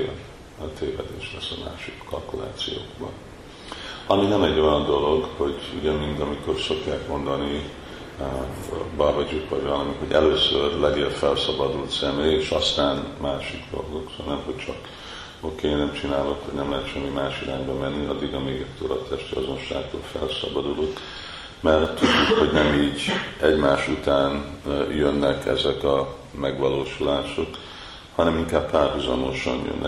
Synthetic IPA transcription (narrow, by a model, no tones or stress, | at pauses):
t̪ʰeːvɛ̰d̪eːʃlɛsːɒma̰ːʃikːɒlkula̰ːt̪sḭjo̰ːɡbɒ̰n | ɒminɛmɛɟːo̞jɒnd̪o̞lo̞ɡho̞ɟṵɟɛmind̪ɒmiko̞rso̞kjaːkmo̞nd̪ɒni | bavɒɟukvɒɟvɒlɒmihoɟɛløːsørlɛɡeːlfɛlsɒbɒd̪ult̪sɛmeːjeʃɒst̪aːnmaːʃiɡd̪o̞̰lɡo̞ksɒnɛmɦoct͡ʃɒk | o̞keːnɛmt͡ʃinaːlo̞khoɟnɛmlɛɦɛt̪ʃɛmːimaːʃilaːɲbɛmɛnːiɒd̪ːiɡɒmeːɡɛt̪ːøːlɒ̰t̪ɛʃt̪iɒzo̞nʃa̰ːɡt̪o̰ːlfɛlsɒ̰bɒd̪ulok | mɛrt̪ːuɟːukho̞ɟnɛmiːɟɛɟmaːʃut̪aːnjønːɛkʰɛ̰zɛkɒ | mɛɡʋɒloːʃulaːʃo̞k | hɒnɛmiŋkaːbpaːrɦuzɒmo̞ʃɒ̰njø̰nːʔɛ̰